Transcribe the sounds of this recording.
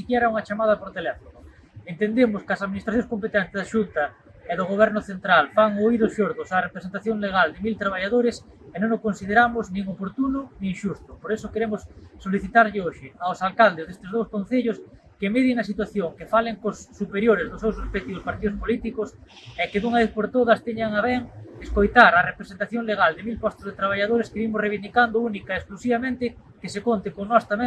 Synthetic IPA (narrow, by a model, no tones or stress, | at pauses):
sikjɛɾɐuŋɐt͡ʃamað̞ɐpoɾt̪elɛfonʊ | ent̪end̪emʊskɐsaðminist̪ɾaθjõŋskompet̪ɛnt̪ɪzðaʃunt̪ɐ | ɛðʊɣoβɛɾnʊθent̪ɾalfaŋoiðʊsʃoɾðʊsarepɾesent̪aθjoŋleɣald̪ɪmilt̪ɾaβ̞aʎaðoɾɪs | ɛnõŋokonsið̞eɾamʊznĩŋopoɾt̪unʊnĩŋʃust̪ʊ̥poɾesʊkeɾemʊsːoliθit̪aɾʎɪoʃɪaosalkald̪ezðest̪ɪzð̞owskon̟θeʎʊs | kemeðjɪŋɐs̬it̪waθjoŋkefaleŋkosːupeɾjoɾɪzðʊsewsospet̪iʊspaɾt̪iðʊspolit̪ikʊs | ɛkɪðuŋaβeθpoɾt̪oðɐst̪eɲaŋaβɛŋeskojt̪aɾɐrepɾesent̪aθjoŋleɣ̞ald̪ɪmilpɔst̪ozðet̪ɾaβ̞aʎaðoɾeskɪβimʊsreβ̞ind̪ikand̪ʊunikaesklusiβamẽnt̪ɪ | kesekont̪ɪkonɔst̪amẽŋ